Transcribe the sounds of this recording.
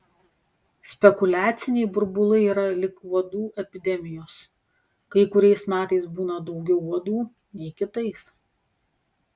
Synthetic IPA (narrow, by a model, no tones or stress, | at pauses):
sʲpʲɛkʊlʲæːt̪sʲɪnʲɛɪbʊɾbʊlˠɐɪiːɾɐlʲɪkuɔd̪uːʔɛpʲɪd̪ʲɛmʲɪjoːs | kɐɪkʊɾʲɛɪsmʲæːt̪ɐɪsbuːnɐd̪ɒʊɡʲɛʊuɔd̪uː | nʲɛɪkʲɪt̪ɐɪs